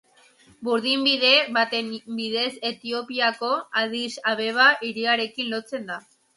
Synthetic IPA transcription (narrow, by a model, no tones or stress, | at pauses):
buɾðimbiðe̞βat̪embið̞e̞se̞t̪io̞piako̞að̞isaβe̞β̞aʔiɾiaɾe̞kinlo̞t͡se̞nd̪a